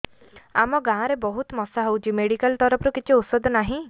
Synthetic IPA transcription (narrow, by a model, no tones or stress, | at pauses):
amɔɡãːɾebɔɦut̪mɔsaɦowt͡ʃʰimeɽikalt̪ɔɾɔpʰɾukit͡ʃʰiut̪sɔd̪ʱɔnaɦĩ